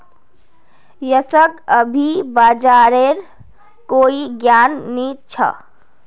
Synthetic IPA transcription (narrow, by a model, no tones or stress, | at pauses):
jəsəɡəbʱibad͡ʒaɾeɾ | koiɡjanːit͡ʃʰə̰